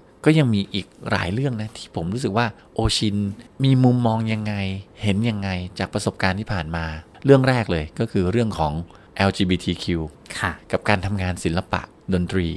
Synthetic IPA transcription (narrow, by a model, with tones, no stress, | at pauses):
kɔː˥˩ja˧ŋmiː˧ʔiː˨˩k̚ɾa̰ː˩˦jlɯ˥˩əŋna˦˥t̪ʰiː˥˩pʰo˩˦mɾu˦˥sɯ˨˩k̚waː˥˩ | ʔoː˧t͡ɕʰi˧nmiː˧mu˧mːɔː˧ŋja˧ŋːa˧jhe˩˦nja˧ŋːa˧jt͡ɕaː˨˩k̚pɾa˧so˨˩p̚kaː˧nt̪ʰiː˥˩pʰaː˨˩nmaː˧ | ɾɯ˥˩əŋɾɛː˥˩k̚lɤː˧jkɔː˥˩kʰɯː˧ɾɯ˥˩əŋkʰɔː˩˦ŋ | ʔɛː˧wt͡ɕiː˧biː˧t̪ʰiː˧kʰi˧w | kʰa˥˩ka˨˩p̚kaː˧nt̪ʰa˧mŋaː˧nsi˩˦nla˧pa̰˨˩ʔ | do˧nt̪ɾiː˧